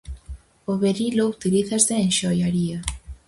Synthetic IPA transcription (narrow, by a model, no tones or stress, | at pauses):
oβeɾilout̪iliθɐzðeːnʃojaɾiɐ